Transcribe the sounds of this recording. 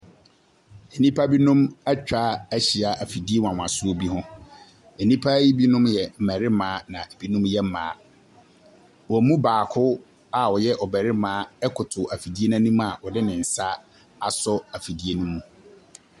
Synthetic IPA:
ɛ˨nĩ˦pʰa˦bi˦nũ˦mæ˦t͡ɕᶣaː˦æ˦ɕi˨a˨ʔa˨fi˨di˦e˦wã˨wã˨sʊ˦o˦bi˦ɦʊ̃˦ | ɛ˨nĩ˦pʰa˦ji˦bi˦nʊ̃˦mjɛ˨m̩˨mæ˨ɾɪ˦mãː˨˦nã˨ʔe˨b̥i˦nũ˦mjɛ˦m̩˦mãː˨˦ | wɔ˨mũ˦baː˨kʰʊ˦ | a˨ɔ˨jɛ˦ʔɔ˨bɛ˨ɾɪ˦mãː˨˦ɛ˦kʰʊ˨tʰʊ˨a˨fi˨di˦e˦nã˦nũ˦m˦a˨ɔ˨dɪ˦nɪ̃˨n̩˨sa˦ | a˨sɔ˦a˨fi˨di˦e˦nũ˦mũ˨

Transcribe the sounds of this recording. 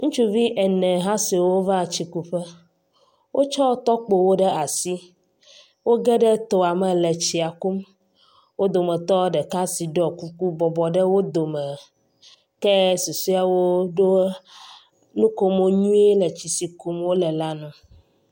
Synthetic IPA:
ŋũ˦t͡ʃu˦vi˦ʔɛ˨nɛ̃˨ɦã˦si˨wo˦va˦˨t͡ɕi˨ku˦ɸɛ˦ | wʔo˦t͡ʃɔ˦t̪ɔ˦k͡po˨wo˦ɖɛ˦a˨si˦ | wo˦ɡɛ˦ɖɛ˦t̪o˨a˨mɛ˨lɛ˨t͡ɕi˨a˨ku˦m | wo˦d̪o˨mɛ˨t̪ɔ˦ɖɛ˨ka˦si˨ɖɔ˨ku˦ku˦bɔ˨bɔ˨ɖɛ˦wo˦d̪o˨mɛ˨ | kɛ˦su˨su˦a˨wo˦ɖo˦ | nũ˦ko˦mo˦ɲũ˦e˦lɛ˨t͡ɕi˨si˨ku˦mwo˦lɛ˨la˦nũ˨

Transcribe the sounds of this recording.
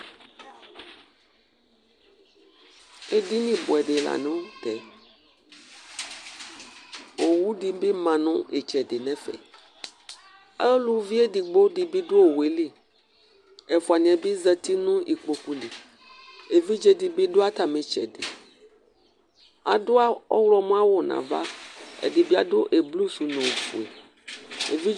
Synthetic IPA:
e˦di˦nĩ˦bo˨ɛ˨ɖe˨la̰˨nẽ˦wo˦t̪ɛ˨ | wo˨wu˦ɖi˦be˦mã˨nɔ̃˦ʔe˨t͡ʃɛ˨ɖe˨nɛ̃˦fɛ̰˨ | e˦lu˦vi˦e˦di˨ɡ͡bo˦ɖi˨be˦ɖo˦o˨we˨li˦ | e˨fu˨a˨nĩ˨a˨bi˦zɛ˦t̪i˦nũ˦ʔi˨k͡po˨ku˦li˨ | e˨vi˦d͡ʒe˦di˨be˦ɖo˦a˦t̪a˨mẽ˨t͡ʃɛ̰˨dḛ˨ | a̰˨do˦a˦ɔ̰˦wlɔ˦mũ˦a˦wo˨nã̰˨va̰˦ḛ˨di˨bi˦a˨do˦ʔe˨blu˦su˨nɔ̃˨ɸṵ˨e˨ | ḛ˨vi˦

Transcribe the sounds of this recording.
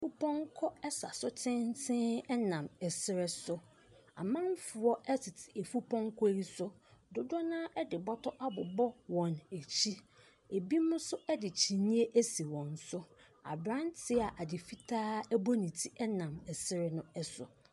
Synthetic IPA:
fu˦pʰɔ̃˦ŋkʰɔ˦ɛ˦sa˨sʊ˦tʰɪ̃˦n˦tʰɪ̃˦ɛ˦nã˨mɛ˨sɪ˦ɾɪ˦sʊ˦ | a̰˨mã˦ɱ˦fʊ˨ɔ˦ʔɛ˦tʰɪ˨tʰɪ˨e˨fu˦pʰɔ̃˦ŋkʰɔ˦i˦sʊ˦dʊ˦dɔ˦nãː˦ʔɛ˦dɪ˨bɔ˦tʰɔ˦ʔa˦bʊ˨bɔ˦wɔ̃˨ne˨t͡ɕʰi˦ | e˨bi˦mʊ̃˦sʊ˦ɛ˦dɪ˨t͡ɕʰi˨nĩ˦e˦ʔæ˦si˨wɔ̃˨n˨sʊ˦ | a̰˨bɾã˦ntʰɪ˦a˨ʔa˨dɪ˨fi˦tʰaː˦ɛ˦bɔ˦nĩ˨tʰi˦ɛ˦nã˨mɛ˨sɪ˦ɾɛ˦nʊ̃˦ɛ˦sʊ̰˨

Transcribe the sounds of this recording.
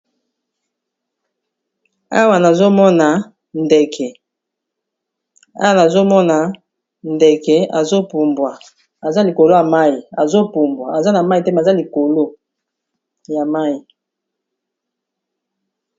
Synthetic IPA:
a˦wa˨na˨zo˦mɔ˦na˨ | ndɛ˨kʰɛ˨ | a̰˦wa˨na˨zo˦mɔ˦na˨ | ndɛ˨kɛ˨a˨zo˦pu˨mbwa˨ | a˨za˦li˨ko˨lo˦ja˨ma˦ji˨a˨zo˦pu˨mbwa˨a˨za˦na˨ma˦i˨tɛ˦m˨za˦li˨ko˨lo˦ | ja˨ma˦i˨

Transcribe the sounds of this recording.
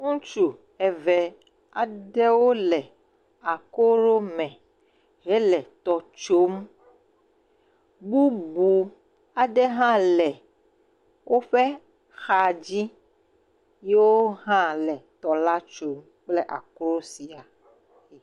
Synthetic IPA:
ŋũ˦t͡ʃu˨ | ɛ˨vɛ˨ | a˨ɖɛ˦wo˦lɛ˨ | a˨ko˦ɾo˦mɛ̃˨ | ɦɛ˦lɛ˨t̪ɔ˨t͡ʃo˦m | bu˦bu˨ | a˨ɖɛ˦ɦã˦lɛ˨ | wʔo˦ɸɛ˦ | xa˨d͡ʑi˦ | je˦wo˦ɦã˦lɛ˨t̪ɔ˨la˦t͡ʃo˨˦m | k͡ple˦ʔa̰˨ko˦ɾo˦si˨a˨ | i˨

